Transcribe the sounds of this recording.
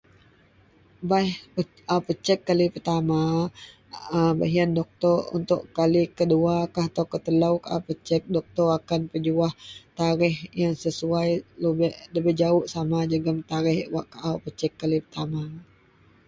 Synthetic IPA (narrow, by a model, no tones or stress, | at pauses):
bajh | awpət͡ʃɛkːalipərt̪ama | əba̰ɦiandɔk̚t̪ɔrṵnt̪ʊ̰ʔkalikəduakaɦat̪awkət̪əlawkaʔa̰pət͡ʃɛk̚dɔk̚t̪ɔrakanpəd͡ʒuaht̪aɾɪhjaŋsəsuajləbɪhləbɪhd͡ʒaʊʔsamad͡ʒəɡəmt̪aɾɪhwaʔkaʔapət͡ʃɛkːalipərt̪ama